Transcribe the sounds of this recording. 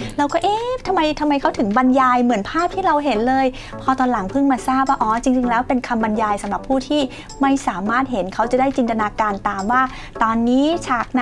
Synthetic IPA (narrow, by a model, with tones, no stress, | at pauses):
ɾa˧wkɔː˥˩ʔeː˦˥t̪ʰa˧mːa˧jt̪ʰa˧mːa˧jkʰa˦˥wt̪ʰɯ˨˩˦ŋba˧njaː˧jmɯ˩˦ənpʰaː˥˩p̚t̪ʰiː˥˩ɾa˧wɦe˩˦nlɤː˧j | pʰɔː˧t̪ɔː˧nla˩˦ŋpʰɯ˥˩ŋmaː˧saː˥˩p̚waː˥˩ʔɔː˨˩t͡ɕi˧ŋt͡ɕi˧ŋlɛː˦˥wpe˧nkʰa˧mba˧njaː˧jsa˨˦mɾa˨˩pʰːuː˥˩t̪ʰiː˥˩ | ma˥˩jsaː˩˦maː˥˩t̪̚ɦe˨˩˦nkʰa˦˥wt͡ɕa˨˩daː˥˩jt͡ɕi˧nt̪a˧naː˧kaː˧nt̪aː˨mwaː˥˩ | t̪ɔː˧nːiː˦˥t͡ɕʰaː˨˩k̚n˧